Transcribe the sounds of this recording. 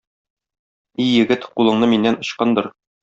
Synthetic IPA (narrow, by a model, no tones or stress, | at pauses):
ijɘ̆ɡɘt̪qulˠɤ̆ɴnɤminːænŏɕqɑnd̪ɤɾ